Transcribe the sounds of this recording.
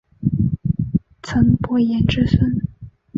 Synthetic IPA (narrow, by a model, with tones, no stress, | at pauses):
t͡sʰə˧˥npwɔ˥jɛ˧˥nʈ͡ʂɻ̩˥˩sə˥˩n